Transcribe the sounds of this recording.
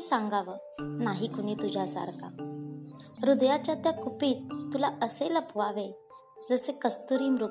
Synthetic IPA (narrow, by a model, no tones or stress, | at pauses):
sãŋɡaʋə | naɦiːkoɽ̃iːt̪ud͡ʑʱasa̰ɾka̰ | ɾud̪jat͡ɕjat̪jakupiːt̪t̪ːulaəseləpʋaʋe | d͡zəsekəst̪uɾiːmɾu